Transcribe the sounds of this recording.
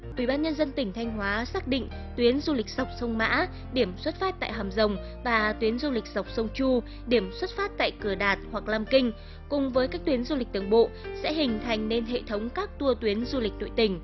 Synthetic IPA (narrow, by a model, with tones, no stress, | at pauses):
ʔḭ˧˩ɓaː˧nɲə˧nzə˧nt̪ï˧˩ŋ̟t̪ʰa˧jŋ̟ɦwaː˨˦saː˦˥k̚ɗḭ̈˧˨ŋ̟ | t̪wi˨˦ənzu˧lï˨˩k̟̚z̥a˨˩wk͡p̚sə˧wŋ͡mma̰ː˧˥ | ɗi˧˩əmswə˦˥t̚faː˦˥t̚t̪a̰ː˧˨jɦaː˨˩mzə˨˩wŋ͡m | vaː˨˩t̪wi˨˦ənzu˧lï˨˩k̟̚z̥a˨˩wk͡p̚sə˧wŋ͡mt͡ɕu˧ | ɗi˧˩əmswə˦˥t̚faː˦˥t̚t̪a̰ː˧˨jkɨ˧˩əɗaː˨˩t̚hwa˨˩k̚laː˧mkï˧ŋ̟ | kʊ˨˩ŋ͡mvəː˨˦jkaː˦˥k̚t̪wi˨˦ənzu˧lï˨˩k̟̚t̪ɨ˨˩əŋɓo̰˧˨sɛ̰˧˥ɦï˨˩ŋ̟t̪ʰa˨˩jŋ̟ne˧nɦḛ˧˨t̪ʰə˨˦wŋ͡mkaː˦˥k̚t̪u˧ət̪wi˨˦ənzu˧lï˨˩k̟̚no̰˧˨jt̪ï˧˩ŋ̟